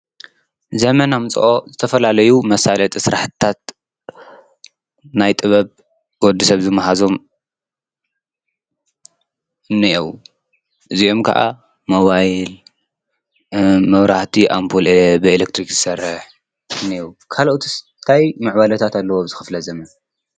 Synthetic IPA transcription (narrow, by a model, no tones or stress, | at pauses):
zɐmɐnamt͡sʼʔozɨt̪ʰɐfɐlalɐjumɐsalɐt̪ʼsɨɾaħt̪ʰat̪̚ | najt̪ʼɨβɐβ | wɔd̪ɨsɐβzɨmːɐɦazo̞m | ɨnːɨiʔiw | ʔɨzio̞mkʰa̰ʔa̰ | moβajl | mɐβɾaht̪ʰiʔampʰulbɨelek̚t̪ʰɾikzɨsɐrːɨħ | ɨnːiʔwkʰaloʔt̪ʰis | t̪ʰajmɨʕbalɐt̪ʰat̪ʰalːɐwo̞bɨzɨxɨflɐzɐmɐn